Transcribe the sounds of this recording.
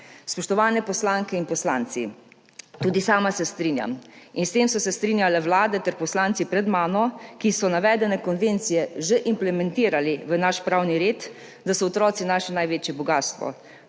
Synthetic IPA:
spɔʃt̪ɔʋaːnɛpɔslaːŋkɛinpɔslaːnt̪sḭ | t̪uːd̪isaːmasɛst̪ɾiːnja̰minst̪eːmsɔsɛst̪ɾiːnjalɛwlaːd̪ɛt̪ɛɾpɔslaːnt̪sipɾɛd̪maːnɔkisɔnaʋɛːd̪ɛnɛkɔnʋent̪sijɛʒeʔimplɛmɛnt̪iːɾaliʋənaʃpɾaːwniɾeːt̪ | d̪asɔɔt̪ɾɔːt̪sinaːʃɛnajʋeːt͡ʃjɛbɔɡaːst̪ʋɔ̰

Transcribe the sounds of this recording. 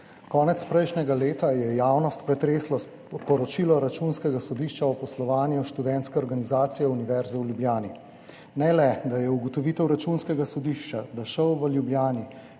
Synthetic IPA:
kɔːnɛt̪spɾɛjʃnɛɡaleːt̪ajɛjaːwnɔst̪pɾɛt̪ɾeːslɔ | pɔɾɔt͡ʃilɔɾat͡ʃunskɛɡasɔd̪iːʃt͡ʃaɔpɔslɔʋaːnjuʃt̪ud̪ɛnt̪skɛɔɾɡanizaːt̪sijɛuniʋɛɾzɛwljubljaːni | nɛlɛd̪ajɛuɡɔt̪ɔʋiːt̪ɛwɾat͡ʃunskɛɡasɔd̪iːʃt͡ʃad̪aʃəwʋəljubljaːni

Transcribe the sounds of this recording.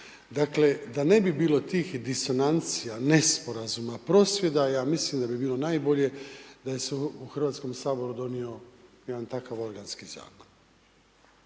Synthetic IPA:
d̪akle̞d̪ane̞bibiːlˠo̞t̪iːxd̪iso̞nant̪sijanespo̞ɾazumapɾo̞ːsʋje̞d̪ajaːmislimd̪abibiːlˠo̞naːjbo̞ʎe̞d̪aje̞seuxr̩ʋaːt̪sko̞msaːbo̞ɾud̪o̞nio̞jed̪ant̪akaʋo̞ɾɡanskiza̰ːma

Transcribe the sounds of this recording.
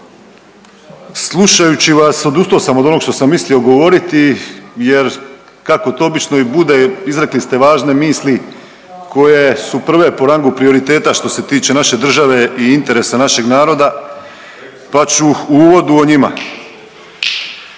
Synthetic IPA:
slˠuʃajut͡ɕiʋaso̞d̪ust̪oosamod̪o̞no̞ɡʃt̪o̞samːislio̞ɡo̞ʋo̞ɾit̪ije̞ɾ | kako̞t̪oobit͡ʃno̞ibud̪eizɾeklist̪e̞ʋaːʒne̞miːsli | kʰo̞je̞supr̩ʋe̞po̞ɾaŋɡupɾio̞ɾit̪e̞ːt̪aʃt̪o̞se̞t̪iːt͡ʃe̞naʃe̞d̪r̩ʒaʋe̞iint̪e̞ɾe̞sanaʃe̞ɡnaːɾo̞d̪a | pat͡ɕuuuːʋo̞d̪uoɲima̰

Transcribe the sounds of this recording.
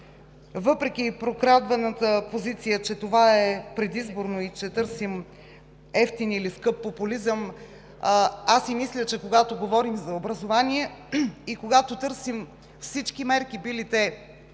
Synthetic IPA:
vɤpɾɛk̟ʲipɾokɾad̪vɐnət̪əpozit̪sijət͡ʃɛt̪ovaɛpɾɛd̪izboɾnoit͡ʃɛt̪ɤɾsim | ɛft̪iniliskɤpːopulizəm | asimislʲət͡ʃɛkoɡat̪oɡovɔɾimzɐobɾɐzovaniɛikoɡat̪ot̪ɤɾsim | fsit͡ʃkimɛɾkibilit̪ɛ

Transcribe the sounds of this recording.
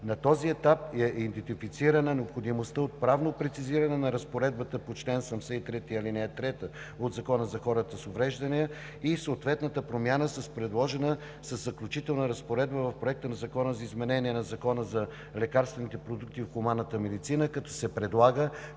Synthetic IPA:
nɐt̪ɔziɛt̪ap̚ɛʔid̪ɛnt̪ifit̪siɾənənɛopxod̪imost̪əot̪̚pɾavnopɾɛt̪siziɾənɛnɐɾɐspoɾɛd̪̚bət̪əpot͡ʃlɛnsɐmsɛit̪ɾɛt̪iɐlinɛt̪ɾɛt̪ə | od̪zɐkɔnəzɐxɔɾət̪əsovɾɛʒd̪ɐniə | isoːt̪vɛt̪nət̪əpɾomʲjanəsɐspɾɛd̪lˠɔʒɛnə | səzːɐklʲut͡ʃit̪ɛlˠnəɾəspoɾɛd̪̚bəvɐfpɾoɛk̚t̪ənɐzɐkɔnəzɐizmɛnɛniɛnɐzɐkɔnəzɐ | lɛkaɾst̪vɛnit̪ɛpɾod̪uk̚t̪iofxʊmanːət̪əmɛd̪it̪sinəkɐt̪ɔ̥sɛpɾɛd̪lˠaɡə

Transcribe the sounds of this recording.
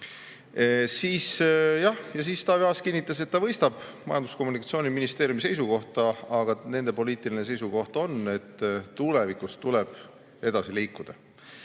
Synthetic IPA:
siːsjɑhjɑs̬iːst̪ɑːvjɑːskinːit̪ːˑɑse̞t̪ːɑvɤ̞jst̪ɑb̥mɑjɑnd̪usko̞mːunikːˑɑt̪sio̞ːnʲiminist̪e̞ːɾjumise̞jsuko̞ht̪ɑɑɡ̥ɑne̞nd̪̥e̞po̞liːt̪ˑilinese̞jsuko̞ht̪o̞ne̞t̪ːule̞vikust̪ule̞b̥ | e̞d̪̥ɑsiliːkːud̪̥ɑ

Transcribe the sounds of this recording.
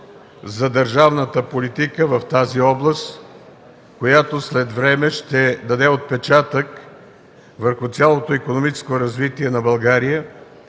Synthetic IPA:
zɐd̪əɾʒavnət̪əpolit̪ikəvɐft̪aziɔblˠəst̪ | kojat̪oslɛt̪vɾɛmɛʃt̪ɛd̪ɐd̪ɛot̪̚pɛt͡ʃat̪ək | vəɾxʊt̪sʲalˠot̪oikonomit͡ʃɛ̥skoɾɐzvit̪iɛnɐbɐlˠɡaɾijə

